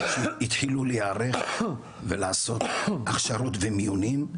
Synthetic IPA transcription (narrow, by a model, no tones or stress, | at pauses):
ʃeit̪hiluleaɾeχ | velaːso̞t̪aχʃaɾot̪vemijunim